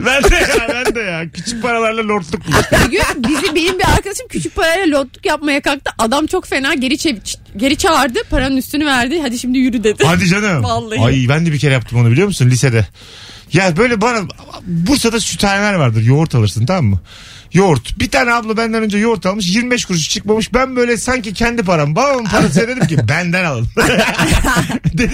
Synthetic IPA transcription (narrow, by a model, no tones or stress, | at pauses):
bænd̪ɛjabænd̪ɛjacʰyt͡ʃʰyc̚pʰaɾalˠaɾlˠalʲoɾt̪lˠuk̚bulˠaɡybizibenimbiaɾkʰad̪aʃɯmcʰyt͡ʃʰyc̚pʰaɾajaalʲoɾt̪lˠukjapmajakak̚t̪ɯʔad̪amt͡ʃʰo̞kfe̞naːɟe̞ɾit͡ʃʰevit͡ʃɟe̞ɾit͡ʃʰaaɾd̪ɯpʰaɾanɯnyst̪ʰynyvæɾd̪ɪɦad̪iʃimd̪ijyɾyd̪ed̪ɪhad̪id͡ʒanɯalˠːɯajbænd̪ɛbicʰe̞ɾɛjapt̪ɯmaabilʲijo̞musunlʲised̪ɛ | jabø̞jlʲɛbana | buɾsad̪asyt̪ʰaːɾelʲæɾvaɾd̪ɯɾjoɾt̪ʰalˠɯɾsɯnt̪ʰamamːɯ | joɾt̪bit̪ʰaːnɛablˠabænd̪ænø̞nd͡ʒɛjo̞ɾt̪ʰalˠmɯʃ̬jiɾmibɛʃ̬kʰuɾuʃ̬u̥t͡ʃʰɯk̚mamɯʃbænbøjlʲɛsaɲcicʰɛnd̪ip̬ʰaɾabaɯmpʰaɾased̪ed̪imcibænd̪ænalˠanɯm | d̪